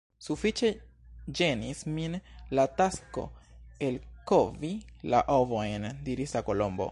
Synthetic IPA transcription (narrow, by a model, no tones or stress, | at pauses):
sufit͡ʃe̞ | d͡ʒenisminlatasko̞̰e̞lkovila̰ʔovojndiɾislako̞lo̞mbo̰